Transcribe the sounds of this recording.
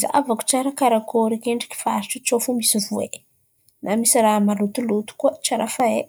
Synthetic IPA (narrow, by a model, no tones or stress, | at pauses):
za̰vaku̥t͡ʃaɾakaɾakʰoɾekeɳɖ͡ʐi̥ki̥faaʈ͡ʂit͡ʃofumisivue | namisiɾaɦmalut̪ulut̪u̥kuət͡ʃaɾafae